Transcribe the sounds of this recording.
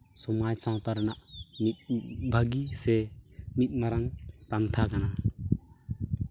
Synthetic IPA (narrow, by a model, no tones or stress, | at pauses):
sɔmajsãwtaɾanaʔmit̪̚bʱaɡisɛmit̪̚ˀmaɾaŋpant̪ʰakana